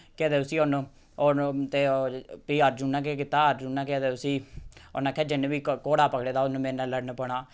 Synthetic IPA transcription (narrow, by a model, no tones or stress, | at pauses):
ked̪eːʊsiːoːnõː | ot̪eːpiːəɾd͡ʒuːnːãːkekɪt̪aːəɾd͡ʒunãːked̪eːʊsiːo̰nãːkʰɛːd͡ʒɪneʋiːkoːɽaːpəkɽeːd̪aːʊnũːmẽːnãːləɽnpəɳaː